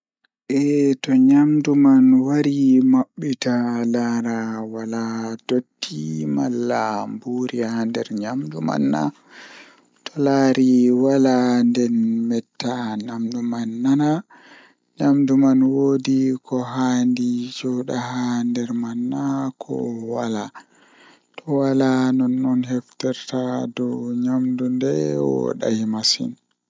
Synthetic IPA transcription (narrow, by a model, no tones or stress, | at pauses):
ʔɛtɔɲamdumanwaɾimaɓːitalaɾawaladotːimalːambuɾihandɛ̰ɾɲamduma̰nːa̰ | tʰɔlaːɾiwalandɛnmɛtːaɲamdumanːana | ɲamdumanwoːdikɔɦandid͡ʒɔɗahandɛɾmanːakʰɔ̰wala | tʰɔwalanɔnːɔnɦɛftɛɾtadɔɲamdundɛwɔ̰ɗa̰himasḭn